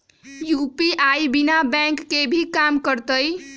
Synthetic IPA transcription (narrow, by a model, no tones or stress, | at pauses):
jupiʔajbinabɛ̃ŋkːebʱikamkəɾt̪əj